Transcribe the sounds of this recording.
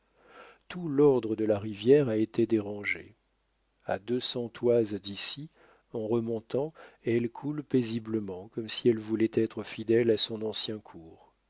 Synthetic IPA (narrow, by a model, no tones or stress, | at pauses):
t̪ulɔʁd̪ʁəd̪əlaʁivjɛʁaet̪ed̪eʁɑ̃ʒḛ | a̰d̪øsɑ̃t̪wazd̪isi | ɑ̃ʁəmɔ̃t̪ɑ̃ɛɛlkʰulpezibləmɑ̃kɔmsiɛlvulɛt̪ɛt̪χəfid̪ɛlasɔ̃nɑ̃sjɛ̃kʰuːʁ